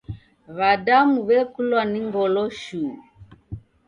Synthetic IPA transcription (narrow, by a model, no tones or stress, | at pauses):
βadamuβɛkulwaniŋɡɔlɔʃuː